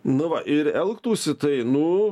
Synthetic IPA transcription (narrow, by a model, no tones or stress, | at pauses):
nʊʋɐʔɪɾɛlˠkt̪uːsʲɪt̪ɐɪnʊ